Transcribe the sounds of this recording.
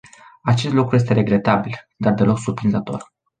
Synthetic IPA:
at͡ʃe̞st̪lukɾuje̞s̬t̪e̞ɾe̞ɡɾe̞t̪abil | d̪ard̪e̞lo̞ksurpɾinzət̪o̞̰r

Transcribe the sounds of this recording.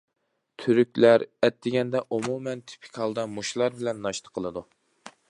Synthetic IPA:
t̪ʰyɾykʲlæɾɛt̪ːɪɡʲɛnd̪ɛʔumumɛnt̪ʰi̥pʰɪ̥kʲhɑlˠd̪ɑmuʃlˠɑɾbɪlɛnːɑʃt̪ə̥qʰːəlˠɨd̪u

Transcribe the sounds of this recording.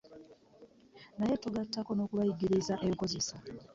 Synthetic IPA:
naje̞tuɡatːako̞no̞kuβajiɡiɾizaʔe̞ŋko̞ze̞sa

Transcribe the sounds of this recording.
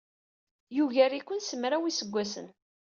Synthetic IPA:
juʝæɾikʷːənsəmɾawisəɡʷːæsə̰n

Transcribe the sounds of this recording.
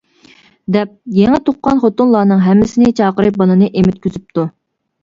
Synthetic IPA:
d̪ɛp̚jeŋɛt̪ʰoqːɑnχot̪unlˠɑːnɨŋɦɛmːɪsɪnɪt͡ʃʰɑːqəɾɨbɑnɨnɨʔemɪt̪̚kʲʰøzyp̚t̪ʰu

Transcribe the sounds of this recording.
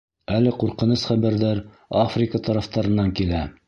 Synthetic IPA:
ælɘquɾqɤ̆nɤsχæβæɾðæɾ | afrʲɪkət̪ɑɾɑft̪ɑɾɤ̆nːɑŋkilæ

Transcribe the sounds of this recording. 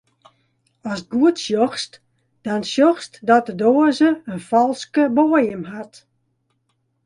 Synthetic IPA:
ɔst̚ɡuətsjɔxst | d̥ɔnsjɔxstdɔt̚dədoːzəənfɔlˠskəboəjəmɦat

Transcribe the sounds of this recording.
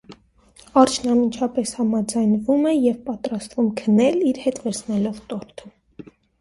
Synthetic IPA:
ɑrt͡ʃʰnɑmint͡ʃʰɑpɛshɑmɑd͡zɑjnvumɛjɛvpɑt̪ɾɑst̪vumkʰənɛliɾhɛt̪vɛɾsʰnɛlɔvt̪ɔɾt̪ʰə

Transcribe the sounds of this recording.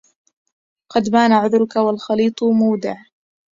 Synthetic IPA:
qɑd̪maːnaʕʊðɾʊkawalxɑliːt̪ˤmʊːd̪ɪʕ

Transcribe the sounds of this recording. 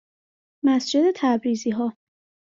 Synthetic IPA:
mæsd͡ʒe̞d̪e̞t̪ʰæbɾiːziːɦɒː

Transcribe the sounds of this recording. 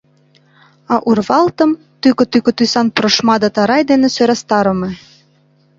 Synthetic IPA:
ɑʔurβɑlt̪ɤ̆m | t̪ykɤt̪ykŏt̪ysɑnpɾɤ̆ʃmɑd̪ɤt̪ɑɾɑjd̪enesøɾæst̪ɑɾɤ̆me

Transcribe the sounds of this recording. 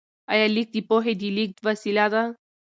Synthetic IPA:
ɐjalːik̚t̪ipoɦed̪ilik̚t̪ʋəsilad̪a

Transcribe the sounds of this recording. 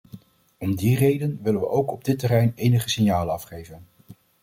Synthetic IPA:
ɔmdirejdənʋɪlənʋə̰ʔowkɔb̚dɪtərɛjnejnəχəsɪnjaːlənɑfχejvən

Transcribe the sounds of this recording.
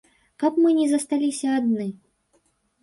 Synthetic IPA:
kapmɨnʲɛzɐst̪alʲisʲɐːd̪nɨ

